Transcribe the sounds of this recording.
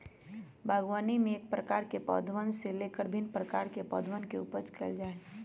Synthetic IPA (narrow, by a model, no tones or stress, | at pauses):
bʱaːɡwaːnimẽeːk̚pɾəkaːɾkepɔ̰ːd̪ʱʋənseleːkəɾbʱɪnpɾəkaːɾkepɔ̰ːd̪ʱʋənkeṵpəɾt͡ʃkʰɛ̰ld͡ʒaːe